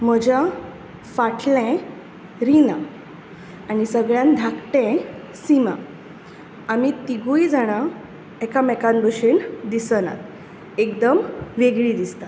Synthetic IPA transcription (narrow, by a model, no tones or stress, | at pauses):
m̤əd͡ʑa | faʈʰlɛ̃ | ɾinã | añisəɡɭjãnd̪ʱakʈɛ̃ | sima̰ | amit̪iɡujd͡zaɽ̃a | ekamɛkanbəɕend̪isəna̰t̪ | ekd̪əmʋeɡɭid̪ist̪a